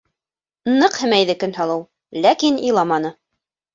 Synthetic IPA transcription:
nɤqhɘ̆mæjðɘkɵ̆nhɑlˠɤw | lækinilˠɑmɑnɤ

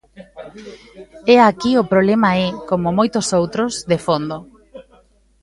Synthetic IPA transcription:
ɛakiopɾoβlɛmaɛkomomojt̪ʊsowt̪ɾozðefond̪o

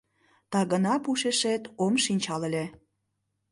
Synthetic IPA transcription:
t̪ɑɣənɑpuʃeʃet̪omʃinʲt͡ɕɑlelʲe

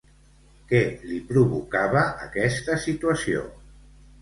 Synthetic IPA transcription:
kɛlipɾuβukaβəːkɛst̪əsit̪uəsio̰

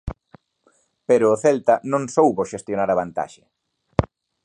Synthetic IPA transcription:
peɾʊːθɛlt̪ɐnõŋsowβoʃest̪jonaɾɐβant̪a̰ʃɪ̥

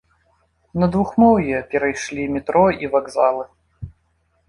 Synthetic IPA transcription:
nɐd̪vuxmɔwjɛpʲɛɾɐjʂlʲimʲɪt̪ɾɔivaɡzalˠɨ

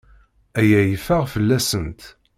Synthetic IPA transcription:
æjæjəfæʁfəlːæsənt̪

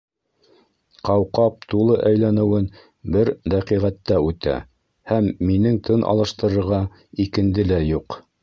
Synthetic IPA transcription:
qɑwqɑp̚t̪ulˠɤʔæjlænɘ̆wɘn | bɘɾd̪æqiʁæt̪ːæʉt̪æ̰ | hæmːinɘŋt̪ʰɤnʔɑ̰lˠɤ̆ʃt̪ɤ̆ɾɤ̆ɾʁɑ | ikɘ̆nd̪ɘlæjuq

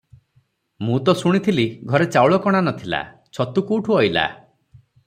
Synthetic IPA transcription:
mũt̪ɔsuɽ̃it̪ʰiliɡʱɔɾet͡ʃawɭɔkɔɽ̃anɔt̪ʰila̰ | t͡ʃʰɔt̪ukuːʈʰuɔjla̰

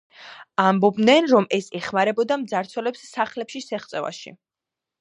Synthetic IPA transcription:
ambɔbnɛnɾɔmɛsɛχmaɾɛbɔd̪amd̪zaɾt̪sʰwɛlɛpsːaχlɛpʃisɛχt̪sʼɛva̰ʃḭ

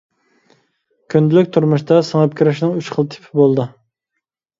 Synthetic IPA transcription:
kʲʰynd̪ɪlɪkʲt̪ʰuɾmuʃt̪ɑsəŋəpkʲʰyɾɪʃnɨŋyt͡ʃχəlˠt̪ʰɪ̥pʰɪbolˠd̪ɨ

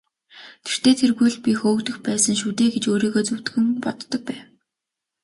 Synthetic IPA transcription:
t̪ʰe̥r̥t̪eːt̪ʰerɣujɮpʲixoːkt̪ɘ̆xpæːsə̆ŋʃ̬ut̪eːɡet͡ɕoːɾiːɣoːt͡suwt̪ɡɘ̆ŋpɔt̪ːɞ̆k̚pæːw

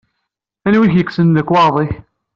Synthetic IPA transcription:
ænwiçjəkːsənðəkːwɑɾˤðˤiç

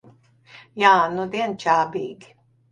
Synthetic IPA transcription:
jaːnud̪iɛnt͡ʃaːbiːɡi̥

